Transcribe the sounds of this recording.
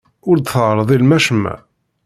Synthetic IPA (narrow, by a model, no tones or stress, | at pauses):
ʊɾd̪θəʕɾˤəðˤilmæʃəmːæ̰